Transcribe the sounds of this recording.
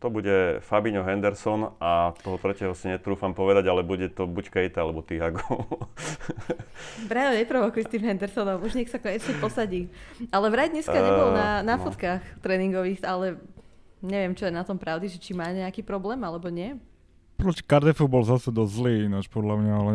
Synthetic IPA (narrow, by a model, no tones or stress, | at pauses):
t̪ɔbuɟɛfabiɲɔɦɛnd̪ɛɾsɔnat̪ɔɦɔt̪ɾɛcɛɦɔsiɲɛt̪ɾuːfampɔʋɛd̪aɟalɛbuɟɛt̪ɔbuckɛjt̪ɛalɛbɔt̪iɦaɡɔl | bɾaɛɲɛpɾɔʋɔkujɛst̪iːmɦɛnd̪ɛɾsɔnɔmuʒɲɛksakɔɲɛsɛpɔsaɟiːalɛʋɾaɟɲɛsaɲɛbɔlˠnanafɔt̪kaːxt̪ɾɛːniŋɡɔʋiːxalɛ | ɲɛʋɪɛmt͡ʃɔjɛnat̪ɔmpɾaʊd̪iʒɛt͡ʃimaːɲɛakiːpɾɔblɛːmalɛbɔɲɪɛ | pɾɔci̥kaɾd̪ɛfubɔlzasɛd̪ɔzzliːinat͡ʃpɔd̪lamɲaalɛ